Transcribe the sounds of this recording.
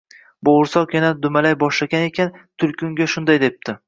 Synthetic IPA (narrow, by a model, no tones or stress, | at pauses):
boʊɾsɒenad̪ʊmalajbɒʃlaɡʲane̞kʲʰant̪ʰʊlkʰʲʊŋɡʲaʃʊnd̪ajd̪e̞p̚t̪ʰɪ